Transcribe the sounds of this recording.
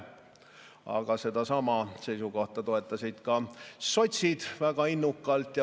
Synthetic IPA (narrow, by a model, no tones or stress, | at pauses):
ɑ̰ɡ̥ɑse̞d̪̥ɑsɑmɑse̞jsuko̞ht̪ɑt̪o̞e̞t̪ːˑɑsʲid̪̥kɑso̞t̪ʲsid̪̥væɡ̥ɑinːukːˑɑlt̪jɑ